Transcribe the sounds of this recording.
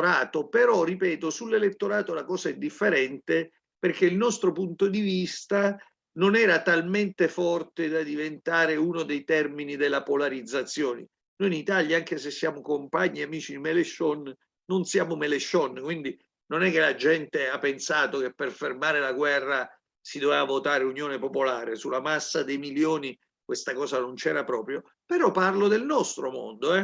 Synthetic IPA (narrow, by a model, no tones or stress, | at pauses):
ɾaːt̪opeɾɔripɛːt̪osulːelet̪ːoɾaːt̪olakɔːzaɛd̪ːifːeɾɛnt̪e | perkeilnɔst̪ɾopunt̪od̪ivist̪a | nonɛːɾat̪alment̪efɔrt̪ed̪ad̪ivent̪aːɾeunod̪ejt̪ɛrminid̪elːapolaɾid̪zːat̪sːjoːne | nojinit̪aljaaŋk̟esesːjaːmokompaɲːiamiːt͡ʃiimeleʃɔnː | onsjaːmomeleʃɔnkwind̪i | nonɛkːelad͡ʒɛnt̪eapːensaːt̪ok̟epːerfermaːɾelaɡwɛrːa | sid̪ovɛvavot̪aːɾeunjoːnepopolaːɾesulːamasːad̪ejmiljoːni | kwest̪akɔːzanont͡ʃɛ̰ːɾapɾɔːpɾjo | peɾɔpːarlod̪elnɔst̪ɾomo̰nd̪oɛ